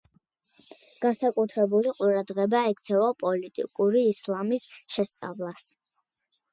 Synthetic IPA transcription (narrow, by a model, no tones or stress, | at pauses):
ɡ̥ansakʼut̪ʰɾɛbuliqʼuɾad̪ʁɛbaɛkʰt̪sʰɛvapʼɔlit̪ʼḭkʼuɾiːslˠamisʃɛst̪sʼa̰vlˠas